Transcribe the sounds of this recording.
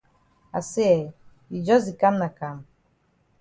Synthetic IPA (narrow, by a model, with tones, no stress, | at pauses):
a̰˨sɛ˦ɛ˨ | i˨d͡ʒɔ˦zi˨ka˦mna˨ka˨m